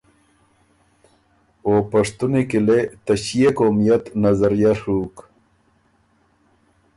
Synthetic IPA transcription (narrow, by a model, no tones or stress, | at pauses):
oːpɐʂt̪unekilet̪ɐɕijekoːmijɐt̪nɐzɐɾijɐʂuk